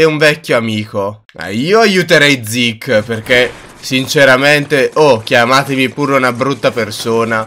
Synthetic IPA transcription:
ɛuɱvɛkʲːjoamiːko | a̰iːoajut̪eɾɛjd̪zikːperk̟e | sint͡ʃeɾament̪eʔok̟ːjamaːt̪emipuːɾeunabɾut̪ːapersoːna

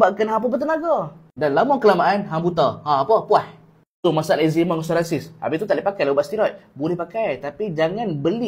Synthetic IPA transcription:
baʔkənaɦap̬əbət̪ənaɡa | danlamɔŋkəlamaʔanɦambut̪ahaapapuah | somasalaizimaŋɔs̬aɾansɪsa̰bit̪ut̪aʔlipakajlabubaʔst̪iɾɔjt̪̚bolɛhpakajt̪apid͡ʒaŋanbəli

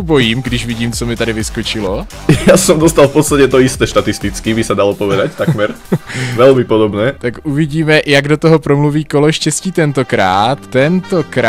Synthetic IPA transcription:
ubojiːmɡdɪʒviɟiːmt͡somɪt̪adɪvɪskot͡ʃɪlo | jaːsomd̪ost̪alˠfpɔtst̪acɛt̪oist̪ɛːʃt̪at̪ist̪it͡skibisad̪alɔpɔʋɛd̪act̪akmɛɾʋɛlmipɔd̪obnɛːt̪akuviɟiːmɛʔjaɡdot̪oɦɔpɾomluviːkoloʃcɛsciːt̪ɛnt̪okɾaːt̪ːɛnt̪okɾa

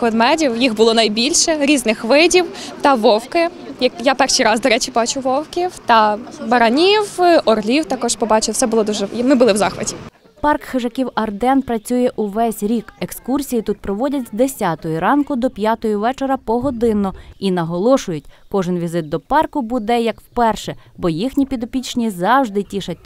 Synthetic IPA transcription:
kɔd̪mɛdʲiwjixbʊlˠɔnɐjbʲilʲʃɛɾʲiznɪxʋɪdʲiwt̪ɐʋɔwkɪjɐkjapɛrʃijɾɑzd̪ɔɾɛt͡ʃibɑt͡ʃʊʋɔwkʲiwt̪ɐbɐɾɐnʲiwɔrlʲiwt̪ɑkɔʒpɔbɑt͡ʃɪfsɛbʊlˠɔd̪uʒɛmɪbʊlˠɪwzɑxʋɐ̰tʲi̥ | pɑrkxeʒɐkʲiwɐrd̪ɛnpɾɐt͡sʲujɛʔuʋɛsʲɾʲikekskursʲijit̪ut̪̚pɾɔʋɔdʲɐtʲzd̪esʲɑt̪ɔjiɾɑnkʊd̪ɔpʲjɑt̪ɔjiʋɛt͡ʃeɾɐpɔɦɔd̪ɪnɔinɐɦɔlˠɔʃʊjʊtʲkɔʒɪnʋʲizɪt̪̚d̪ɔpɑrkʊbud̪ɛjɐkwpɛrʃɛbɔjixnʲipʲid̪ɔpʲit͡ʃnʲizɑwʒd̪ɪtʲiʃɐtʲ

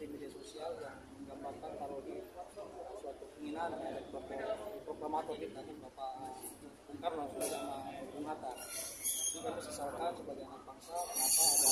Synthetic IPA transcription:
tɾimediasosialjaŋməŋɡambarkant̪aɾodi | suat̪ufəŋinanɛlɛk̚pɔpɔpɾoɡɾamat̪ɔrɡit̪adibapaə | buŋkarŋsulasamabuŋat̪a | uŋkamisəsalkansəbaɡajanak̚baŋsakənapada

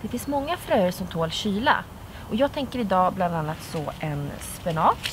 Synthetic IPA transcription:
d̪̥ɛfɪnsmɔŋːafɾœjəʂɔmt̪ʰoːlɕyːla̰ | ʔɔjɑːɡ̚t̪ʰɛŋkəɾɪd̪ɑːbland̪anːat̪sɔʔɛ̰nspɛnɑːt̪

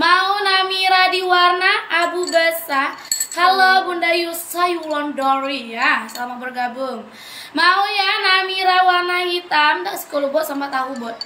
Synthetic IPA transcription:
maunamiɾadiwarnaːbubasakalɔbundajusajulɔndɔɾijasəlamabərɡabʊŋ | maujanamiɾawarnahit̪amdaʔsə̥kolɔbɔt̪samat̪aubɔt̪̚

